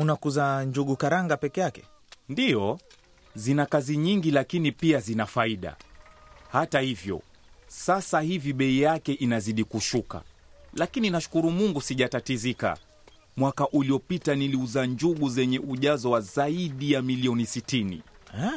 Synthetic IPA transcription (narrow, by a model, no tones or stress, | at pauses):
unakuzaɲd͡ʒuɠukaɾaŋɡapɛkɛjakɛ̥ | ndijɔ | zinakaziɲiŋɡilakinipiazinafaiɗa̰ | hatahivjɔ̰ | sasahiviɓɛijakɛʔinaziɗikuʃuka̰lakininaʃu̥kuɾumuŋɡusiʄatatizika̰ | mwakaʔuliɔpitaniliuzaɲd͡ʒuɠuzɛɲɛʔuʄazɔwazaiɗijamiliɔnisitinḭ | ɛ